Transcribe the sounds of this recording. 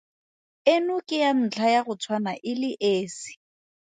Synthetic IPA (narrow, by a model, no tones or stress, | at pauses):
ɪnʊkʼɪjan̩t͡ɬʰajaɣʊt͡sʰwanaʔɪlɪʔeːsɪ̥